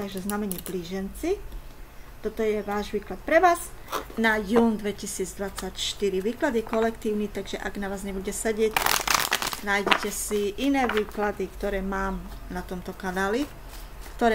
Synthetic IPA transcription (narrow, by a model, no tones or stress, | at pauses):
t̪aɡʒɛznamɛɲɪɛbliːʒɛnt͡si | t̪ɔt̪ɔjɛʋaːʒʋiːklat̪̚pɾɛʋaːz | najuːnd̪ʋɛcisiːd͡zd̪ʋat͡sacʃt̪iɾiʋiːklad̪ikɔlɛkt̪iːʊnit̪aɡʒɛʔaɡnaʋaːzɲɛbuɟɛsɛɟɪɛc | naːjɟɛcɛsiʔinɛːʋiːklad̪ikt̪ɔɾɛːmaːmnat̪ɔmt̪ɔkanaːli | kt̪ɔɾɛ